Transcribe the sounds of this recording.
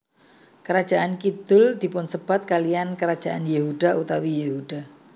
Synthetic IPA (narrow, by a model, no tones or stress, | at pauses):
kəɾḁd͡ʒ̥aʔankid̪̥ʊld̪̥i̤pʊnsəb̥at̪̚kalijankəɾad̥d͡ʒʒ̥aʔanjehud̥a̤ʔut̪awijehud̥a